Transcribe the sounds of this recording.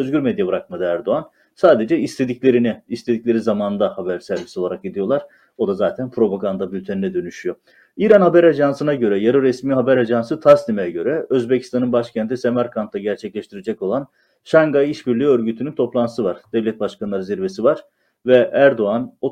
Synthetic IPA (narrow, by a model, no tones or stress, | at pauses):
øzɟyɾmɛd̪jabɯɾak̚mad̪ɯæɾd̪oan | saːd̪e̞d͡ʒɛist̪ʰe̞d̪iclʲeɾiniist̪ʰed̪iclʲe̞ɾizamaːnɯnd̪ahabæɾsæɾvisio̞lˠaɾak̚ɟid̪ijo̞lˠaɾ̥ | o̞d̪azaːt̪ʰænpʰɾo̞paɡand̪abylʲt̪ʰeninɛd̪ø̞nyʃyjo̞ | iːɾanhabæɾad͡ʒansɯnaɟø̞ɾɛjaɾoɾɛsmiːɦabæɾad͡ʒansɯt̪ʰasnimejɛɟø̞ɾɛøzbecʰi̥st̪ʰanɯnbaʃcʰænt̪ʰisemaɾkʰant̪ʰlˠaɟæɾt͡ʃʰɛclʲɛʃt̪ʰiɾed͡ʒɛco̞lˠan | ʃaŋɡajiʃbiɾlʲyːø̞ɾɟyt̪ʰynynt̪ʰo̞plˠanɯ̥sɯvaɾd̪̥ɛvlʲɛt̪̚baʃkanlˠaɾɯziɾve̞sivaɾ̥ | vɛæɾd̪oano